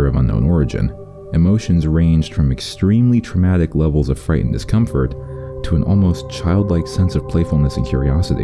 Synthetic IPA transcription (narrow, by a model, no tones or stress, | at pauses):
ʌvʌ̰̃nõ̰ʊ̃nɔɹɨd͡ʒɨ̰̃n | ɨmoʊʃɨ̃nzɹẽɪ̃nd͡ʒd̥fɹʌ̃mɨkstɹ̥ĩmlitʰɹ̥əmæɾɨklɛvl̩ˠzʌv̥fɹaɪʔn̩dɨskʰʌ̃ɱfə˞tʰəɨ̃nʔɔ̰lˠmoʊst͡ʃʰaɪlˠdˡlaɪksɛ̃nsʌv̥pʰl̥eɪfl̩ˠnɨsn̩kʰjʊ̰ɹiɑsɨɾḭ